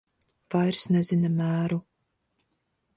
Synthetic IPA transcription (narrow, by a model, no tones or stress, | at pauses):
v̥ajɾsnɛzʲinamæːɾu